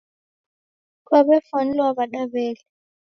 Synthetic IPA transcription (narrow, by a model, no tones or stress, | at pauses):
k̬ʼwaɓɛfanɛlwaɓaɗaɓɛːlɛ